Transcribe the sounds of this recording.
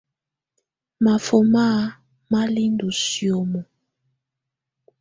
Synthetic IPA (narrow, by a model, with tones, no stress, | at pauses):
ma˨fo˨ma˦ | ma˦li˦ndu˨sjo˨mɔ˨